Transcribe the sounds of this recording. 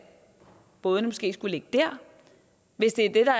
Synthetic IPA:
b̥ɔ̽ːð̞ˠnmɔsɡ̥e̝̰ːsɡ̥ule̝ɡ̥̚əd̥æɐ̰ | ʋe̝sd̥e̝æɐd̥e̝d̥ɑ̈

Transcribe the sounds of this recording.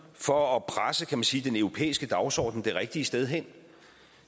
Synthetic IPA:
fɒ̽ːpʰʁasəkʰæmænsiːd̥enœʊʁo̝pʰḛːisɡ̥əd̥ɑ̈ʊsɒ̰ːd̥n̩d̥e̝ʁɛɡ̥̚d̥iəsd̥eð̞ˠɦen̰

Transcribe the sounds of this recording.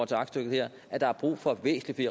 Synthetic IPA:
t͡sʰe̝ɑ̈ɡ̥sd̥øɡ̥ð̩ˠheɐ̰ | ʔæd̥ɑ̈æɐb̥ʁṵːfɒ̽ʋḛːsn̩lifi

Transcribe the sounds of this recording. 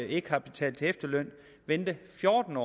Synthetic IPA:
e̝ɡ̥hɑ̈b̥et͡sʰɛ̰ːl̥t͡sʰe̝efd̥ɐlœn̰ | ʋend̥əfjɔːd̥n̩ɒ̰ː

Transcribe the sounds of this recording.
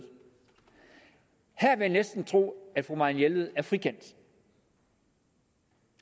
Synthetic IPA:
hæɐ̰ʋe̝janesd̥n̩t͡sʰʁo̝̰ːæd̥fʁumɑ̈injelð̩ˠæɐfʁikʰen̰d̥

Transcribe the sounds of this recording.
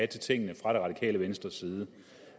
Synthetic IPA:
æ̥t͡sʰet͡sʰe̝ŋ̰ənəfʁɑ̈d̥enʁɑ̈d̥ikʰɛ̰ːləʋensd̥ʁɐsiːð̞ˠə

